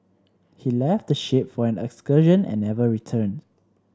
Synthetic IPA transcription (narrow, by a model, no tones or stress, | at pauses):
hilɛftdəʃepfɔɛ̃nɛ̰kskəʒə̃nɛ̰̃nːɛvəɹitʰə̃nd